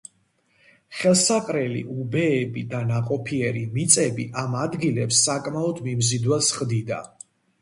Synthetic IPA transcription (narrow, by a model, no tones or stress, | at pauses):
χɛlˠsaqʼɾɛlḭʔubɛːbid̪anaqʼɔpʰiɛɾimit̪sʼɛbiʔamad̪ɡilɛpsːakʼmaɔd̪mimzid̪wasχd̪id̪a̰